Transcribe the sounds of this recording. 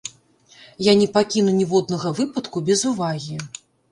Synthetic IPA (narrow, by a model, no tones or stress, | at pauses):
janʲipakʲinunʲivɔd̪̚nɐɣɐvɨpɐt̪kubʲɛzuvaɣʲi